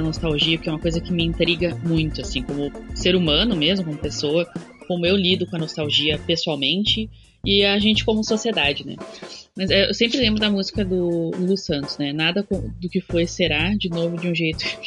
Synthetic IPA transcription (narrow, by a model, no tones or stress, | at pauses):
ɐnost̪awʒiɐpɾkɛũmɐkojzɐkɪmɪĩnt̪ɾiɡɐmũj̃t̪ʊasĩkõmʊseɾumɐ̃nʊmezmʊkõmʊpesoɐ | kõmʊewlid̪ʊkõɐnost̪awʒiɐpesuawmẽnt͡ʃɪ | ɪaʒẽnt͡ʃɪ̥kõmʊsosied̪ad͡ʒɪnɛ̰mɐzɛḛwsẽmpɾɪlẽmbɾʊd̪ɐmuzikɐd̪ʊlusɐ̃nt̪ʊ̥znɛnad̪ɐkõmʊd̪ʊkɪfojseɾaɾd͡ʒɪnovʊd͡ʒɪũʒejt̪ʊ